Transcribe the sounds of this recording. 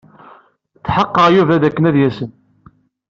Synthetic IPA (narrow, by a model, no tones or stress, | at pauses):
t͡sːħəqːəʁjuvæðækːənæðjæsən